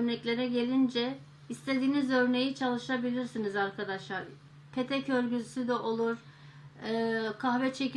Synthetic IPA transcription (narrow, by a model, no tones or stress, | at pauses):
øɾnɛclʲe̞ɾɛɟe̞lʲind͡ʒɛ | ist̪ʰe̞d̪iːnizø̞ɾne̞jit͡ʃʰalˠɯʃabilʲiɾsinizaɾkʰad̪aʃlˠaɾ | pʰet̪ʰɛcøɾɟysyd̪ɛʔo̞lˠuɾ̥ | kʰahvɛt͡ʃʰe̞c